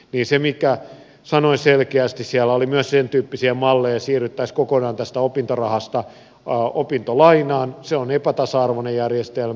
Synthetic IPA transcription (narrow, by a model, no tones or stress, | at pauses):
niːnsemikæ | sɑnoiselkeæst̪issiælːæolimyøssent̪yːpːisiæmɑlːejɑsiːrːyt̪ːæiskokonɑːnt̪æst̪æopint̪orɑhɑst̪ɑ | opint̪olɑinɑːnseonepæt̪ɑsɑɑrʋonejjærjest̪elm